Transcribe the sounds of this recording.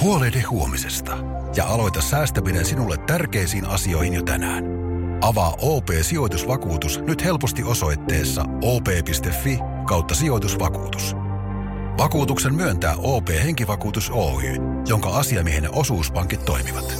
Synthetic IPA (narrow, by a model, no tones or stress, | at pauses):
huo̞lejdehhˑuo̞misest̪ɑ̥ | jɑ̰ʔɑlo̞jt̪ɑsːæːst̪æminensinulːet̪ːærkejsiːnɑ̰sio̞ihinjot̪æ̰næ̰ːn | ʔɑʋɑːʔoːpe̞ːsio̞jt̪usʋɑkuːt̪usnyt̪he̞lpost̪iʔo̞so̞jt̪ːe̞̰ːsːɑ̰ | o̞ːpe̞ːpist̪e̞fːi | kɑwt̪ːɑsio̞jt̪usʋɑkṵːt̪u̥s | ʋɑkuːt̪uksemmyønt̪æ̰ːʔo̞ːpe̞ːhe̞ŋkiʋɑkuːt̪usoːy̰ː | jo̞ŋkɑɑsiɑmiehenːeʔo̞suːspɑŋkit̪ːo̞̰imiʋɑt̪